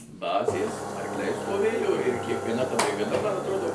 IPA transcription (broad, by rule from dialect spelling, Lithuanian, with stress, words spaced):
ˈbɑːzʲeːs ɐrkˈlʲɛɪ stoːˈʋʲeːjoː ɪr kʲiɛkʋʲiɛˈnɐ tɐ bʲrʲɪɡɐˈdɐ ˈmɐn ɐtˈroːdoː